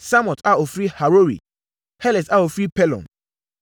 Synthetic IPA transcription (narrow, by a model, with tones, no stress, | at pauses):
sa˦mɔ̃˨ta˨o˨fɾi˦ha˨ɾo˦ɾḭ˨ | hɛ˦lɛ˨sa˦o˨fɾi˦pɛ˦lɔ̰̃˨n